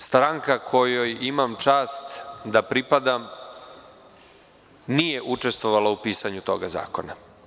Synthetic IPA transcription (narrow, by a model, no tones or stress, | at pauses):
st̪ɾaŋkakʰo̞jojimamt͡ʃaːst̪d̪apɾipad̪am | nijeʔut͡ʂe̞st̪vʋo̞ʋalaupiːsaɲut̪o̞ɡaza̰ːko̞na